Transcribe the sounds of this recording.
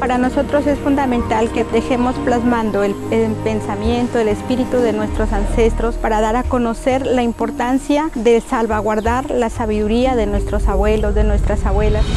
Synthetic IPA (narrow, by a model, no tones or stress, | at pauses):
paɾano̞so̞t̪ɾo̞se̞sfund̪amẽ̞nt̪alke̞d̪e̞xe̞mo̞splazmãnd̪o̞elepe̞nsamje̞nt̪oele̞spiɾit̪uðe̞nwe̞st̪ɾo̞sanse̞st̪ɾo̞spaɾaðaɾako̞no̞se̞ɾlaimpo̞ɾt̪ansjaðe̞salβaɣwaɾðaɾlasaβiðuɾiaðe̞nwe̞st̪ɾo̞saβwe̞lo̞zðe̞nwe̞st̪ɾasaβwe̞las